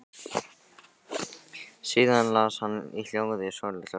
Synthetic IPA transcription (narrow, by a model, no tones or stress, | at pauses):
siːðanlashanːḭl̥jowɣðɪsoɾlɪ̥a